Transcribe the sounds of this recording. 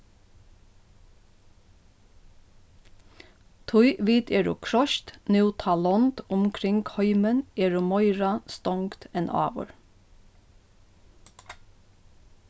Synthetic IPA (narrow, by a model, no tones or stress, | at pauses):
t̪ʰʊʏʔʋiːt̪ʰeːɹʊ̰ːkʰɹɔʃt̪nʉːt̪ʰɑlɔnt̪ʊmkʰɾɪŋɡhœʏməneːɹʊmɔʏɹɑst̪ɔŋkt̪ɛnʔɑ̰ːʋə̰ɹ